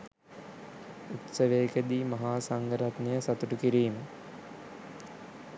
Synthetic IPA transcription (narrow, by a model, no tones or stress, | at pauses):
ut̪səʋeːkəd̪iːmɐɦaːsaŋɡəɾat̪nejəsat̪uʈukiɾiːmə